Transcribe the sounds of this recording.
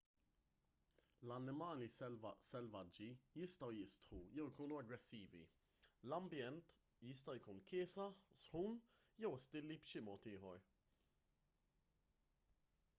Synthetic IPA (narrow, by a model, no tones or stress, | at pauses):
lɐnːɪmɐːlisɛlvɐd͡ʒːijɪst̪ɐwjɪst̪ħujɛwjkuːnuɐɡɾɛsːiːvḭ | lɐmbjɛnt̪ | jɪst̪ɐjkuːnkɪːsɐħsħuːn | jɛwst̪ɪlːipʃɪmɔːt̪ɪːħɔɾ